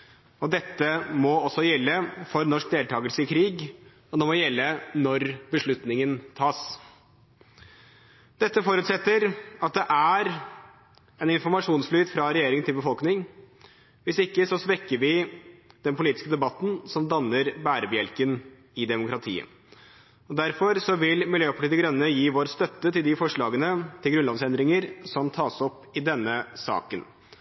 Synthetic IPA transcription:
ɔd̪ɛt̪ːəmɔɔsɔjɛlːəfɔɾnɔʂk̚d̪eːlt̪ʰɑːɡəlsəɪkʰɾiːɡ | ɔd̪ɛmɔjɛlːənɔɾbəʂɭʉt̪nɪŋənt̪ʰɑːs | d̪̥ɛt̪ːəfɔɾʉːt̪sɛt̪ːəɾɑt̪̚d̪ɛʔæɾ | ɛnɪnfɔɾmɑʂuːnsflyːt̪fɾɑɾɛjeːɾɪŋənt̪ʰɪlbəfɔlknɪŋ | ʋɪsɪkːəsɔsʋɛkːəɾʋɪd̪̥ɛnpʰʊliːt̪ɪskəd̪ɛbɑt̪ːn̩sɔmd̪ɑnːəɾbæːɾəbjɛlkən | ɪd̪ɛmʊkɾɑt̪ʰḭːə̰ | ɔd̪æɾfɔɾsɔʋɪlmɪljøːpʰɑʈiːt̪ɪɡɾœnːəjiːʋoːɾst̪œt̪ːət̪ɪld̪ɪfɔʂɭɑːɡənət̪ʰɪlɡɾʉnlɑnsɛnd̪ɾɪŋəɾsɔmt̪ʰɑːsɔpː | ɪd̪ɛnːəsɑ̰ːkən

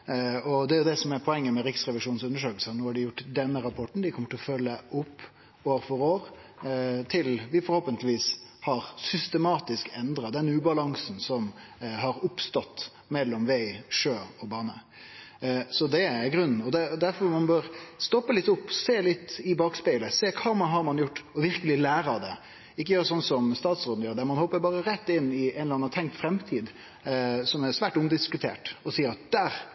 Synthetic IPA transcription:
ɔd̪ɛæɾjʊd̪ɛsɔmæɾpʰɔɛŋːəmɛɾɪksɾɛʋɪʂuːnsʉnːəʂøːklsənoːhɑɖɪjʊʈːd̪ɛnːəɾɑpʰɔʈɳ̩d̪ɪkʰɔmːəʈ̪ʰɪlɔfœlːəʊpː | oːɾfɔɾoːɾ | t̪ʰɪlʋɪfɔɾhoːpənt̪lɪʋiːshɑɾsʏst̪əmɑːt̪ɪskɛnd̪ɾɑd̪ɛnʉːbɑlɑŋsn̩sɔm | ɦɑɾʊpst̪ɔt̪ː | mɛlːɔmʋæɪʂøːɔbɑːnə | sɔd̪ɛæɡɾʉnːn̩ɔd̪ɛd̪æɾfɔɾmɑnbøːɾst̪ɔpːəlɪt̪ːʊpːseːlɪt̪ːɪbɑːkspɪləseːkʰɑːmɑnɦɑɾmɑnjʊʈːɔʋɪɾkəlɪlæːɾɑd̪ɛ | ɪkːəjøːɾəsɔnːsɔmst̪ɑːt̪sɾoːd̪n̩jøːɾd̪æɾmɑnhɔpːəɾbɑːɾəɾɛt̪ːɪnːɪɛnlɑnːɑt̪ʰɛŋk̚t̪fɾɛmt̪ʰiːd̪ | sɔmæɾsʋæːʈʊmd̪ɪskʉt̪ʰḛːʈɔsiːɾɑt̪̚d̪̥æːɾ

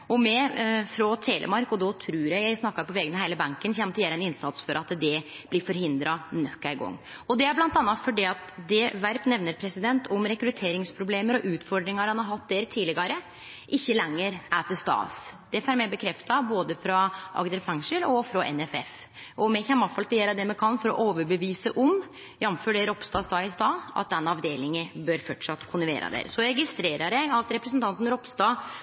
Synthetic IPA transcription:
ɔmɛfɾɔt̪ʰeːlʔə̰mɑɾkɔd̪ɔt̪ʰɾʉːɾjæɪjæɪsnɑkːɑpʰɔʋɛɡənəɦæɪləbɑŋkənçɛmt̪əjæːɾɛnɪnsɑt̪sfɔɾɑt̪d̪ɛb̥lɪɾfɔɾɦɪnd̪ɾɑnœkːæɪɡɔ̰ŋː | ɔd̪ɛæblɑnt̪ɑnːɑt̪fɔɖɛɑt̪d̪ɛʋæɾpnɛʋnəɾpʰɾɛsɪd̪ɛnt̪ʰʊmɾɛkɾʉt̪ʰeːɾɪŋspʰɾʊbleːməɾɔʔʉːt̪fɔɖɾɪŋɑɾhɑnhɑɾɦɑt̪̚ːd̪eɾt̪ʰiːlɪɡɑɾə | ʔɪçːəlɛŋːəɾæt̪ɪlst̪ɑ̰ːsd̪̥ɛfæɾmɛbəkʰɾɛft̪ɑboːd̪əfɾɑʔɑ̰ɡd̪əɾfɛŋʂəlɔfɾɑʔɛ̰nɛfɛ̰f | ʔɔmɛçɛmːɑfɑlt̪ɪjɛlɾɑd̪ɛmɛkʰɑnːfɔɾɔ̰ʔoːʋəɾbəʋiːsəʔɔm | jɑmføːɖɛɾɔpst̪ɑːst̪ɑːɪst̪ɑːʔɑ̰t̪̚d̪ɛnːɑʋd̪eːlɪŋəbøːɾfɔʈʂɑt̪ːkʰʊnɪʋḛːɾɑ̰d̪ḛːɾsɔɾɛɡɪst̪ɾeːɾəɾjæɪɑt̪ɾɛpɾəsənt̪ɑnt̪n̩ɾɔpst̪ɑː

